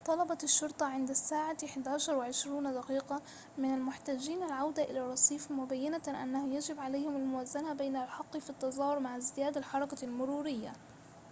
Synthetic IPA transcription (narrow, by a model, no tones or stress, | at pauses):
t̪ˤɑlɑbɑt̪ɪʃːʊɾt̪ˤɑʕɪnd̪asːaːʕaɪħɪd̪ʕaːʃɑɾˤwɪʕɪʃɾuːnd̪aqiːqa | mɪnalmʊħt̪aːd͡ʒiːnalʕawd̪aʔɪ̰laɾˤːɑsˤiːfmʊbajːanaʔa̰nːahʊjad͡ʒɪbʕalajhɪmalmʊwaːzanabajnalħɑqːfit̪ːɑzˤɑːhʊɾmaʕzɪjaːd̪alħɑɾˤɑkalmʊɾuːɾɪjːa